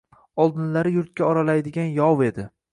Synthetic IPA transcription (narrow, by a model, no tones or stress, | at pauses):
ɒlˠd̪ɪnlaɾɪjʊɾt̪̚kʲaɒɾalajd̪ɪɡʲanjɒwe̞d̪ɪ